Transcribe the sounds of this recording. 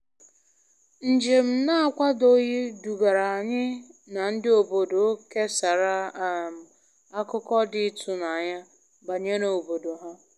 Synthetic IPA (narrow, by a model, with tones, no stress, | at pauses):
n̩˨d͡ʒe˨m̩˨na˦a˦˨kʷa˦do˦ji˦du˨ɡa˨ɾa˨a˨ɲɪ˦na˨n̩˦dɪ˦o˨bo˨do˨o˦ke˦sa˨ɾa˨˦˨m˨ | a˦kʊ˦kɔ˦dɪ˦tʰu˨na˨ɲa˦ | ba˨ɲe˦no˨o˨bo˨do˨ɦa˦